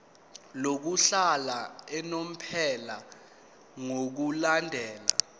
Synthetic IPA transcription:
lok̬uɬalaɛnom̩pʰɛla | ŋok̬ulandʱɛːla̰

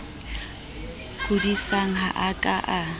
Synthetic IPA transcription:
kʼʊdisaŋ̩ɦaʔakʼaʔa

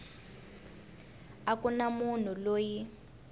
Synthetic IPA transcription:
akunamun̤uloːji

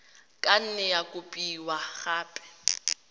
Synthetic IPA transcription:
kʼan̩nɛjakʼʊpʼiːwaɣaːpʼɛ̥

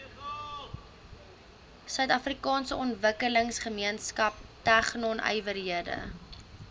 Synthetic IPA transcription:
sœɥtɐfrikɑːnsəɔntvəkələŋsχəmiənskɐp̚tæχnɔnœ̰jvərɦiədə̰

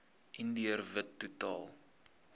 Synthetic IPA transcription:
ʔindiərvətːutɑ̰ːlˠ

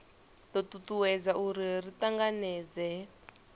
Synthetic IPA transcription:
t̪ɔt̪utuwɛd͡zaʔuɾiritaŋɡanɛːd͡zɛ

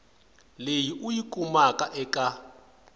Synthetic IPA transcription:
lejiʔujikʼumakʼaʔɛkʼa

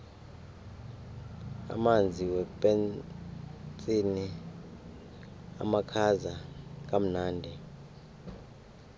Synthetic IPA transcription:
a̰mand͡zʱiwɛpʼɛn | t͡sʼini | a̰makʰazak̬ʼam̩naːndʱɛ

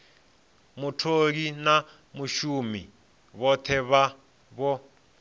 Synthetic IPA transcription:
mutʰoɺina | muʃumḭ | βɔt̪ʰɛβa | βɔ

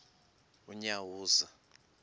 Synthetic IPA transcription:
uɲawuːza

